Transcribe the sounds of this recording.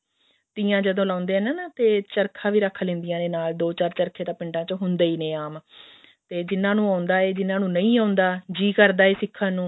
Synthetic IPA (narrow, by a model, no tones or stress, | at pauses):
t̪iːãːd͡ʒəd̪õːlaːʊnd̪eːɛːnaːnat̪eːt͡ʃəɾkʰãːʋiːɾəkʰːlɪ̃ːnd̪ɪjãːd̪eːnaːld̪oːt͡ʃaːɾt͡ʃəɾkʰeːt̪ãːpɪ̃ɳɖãːt͡ʃoɦʊnd̪eːiːnẽːaːm | t̪eːd͡ʒɪnːãːnũːaːʊnd̪aːeːd͡ʒɪnːãːnũːnəĩːaːʊ̃nd̪aːd͡ʒiːkəɾd̪aːeːsɪkʰːãːnũː